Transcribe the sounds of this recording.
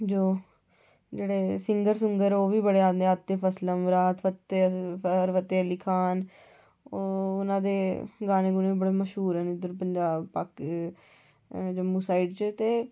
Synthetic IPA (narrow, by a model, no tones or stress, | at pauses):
d͡ʒoː | d͡ʒeːɽeːsɪŋɡəɾsʊŋɡəɾoːʋiːbəɽeːãːd̪eət̪ːeːpʰəsləmʋɾaːt̪ʰfət̪ːeəɾʋət̪ːeːəliːkʰaːn | oʊnãːd̪eːɡaːñeːɡʊneːiːbəɽeːməʃɦuːɾɛːnd̪əɾpəɲd͡ʒaːbpaːk | d͡ʒəmːũːsaːɪɖt͡ʃt̪eː